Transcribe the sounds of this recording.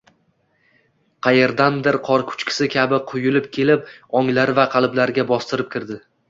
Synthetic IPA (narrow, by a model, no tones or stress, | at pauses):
qʰɑjeɾd̪and̪ɪɾqʰɒɾkʰʊ̥t͡ʃkʲʰɪ̥sɪkʲʰabɪqʰʊjʊlɪp̚kʲʰe̞lɪp̚ɒŋlaɾvaqʰɑlˠɪblaɾɡʲabɒst̪ɪɾɪp̚kʲɪɾd̪ɪ